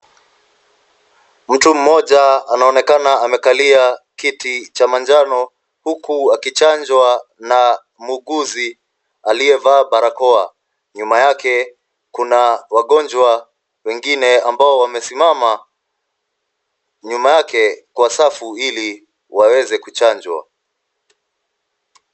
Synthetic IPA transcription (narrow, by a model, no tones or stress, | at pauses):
m̩tum̩mɔʄaanaɔnɛkanaːmɛkaliakitit͡ʃamand͡ʒanɔ | hukuakit͡ʃand͡ʒwana | muːɠuzi | aliɛvaːɓaɾakɔa | ɲumajakɛ | kunawaɠɔnd͡ʒwa | wɛŋɡinɛambaɔwamɛsimama | ɲumajakɛkwasafuili | wawɛzɛkut͡ʃaɲd͡ʒwa̰